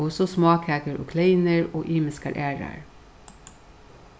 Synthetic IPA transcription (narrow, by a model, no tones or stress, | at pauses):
ʊsɔsmɑːkæːɡəɹʔo̰ːkʰleɪnəɹoːʔiːmɪskə̰ɾʔæːɹɑ̰ɹ